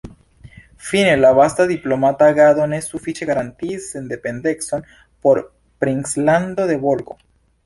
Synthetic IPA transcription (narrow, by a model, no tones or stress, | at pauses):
finelaβast̪aðiplomat̪aɣaðonesːufit͡ʃeɣaɾant̪isend̪epend̪ekson | poɾ | pɾiŋsland̪oðeβolɣo̰